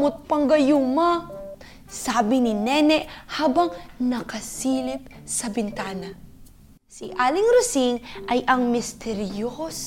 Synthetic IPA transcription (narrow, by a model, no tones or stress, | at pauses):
mʊt̪̚pɐŋɡɐjuma | saːbɪnɪnɛnɛʔhaːbɐŋnɐkɐsiːlɪp̚sɐbɪnt̪aːnɐ | siʔaːlɪŋɾʊsiŋʔɐjʔɐŋmɪst̪ɛɾjos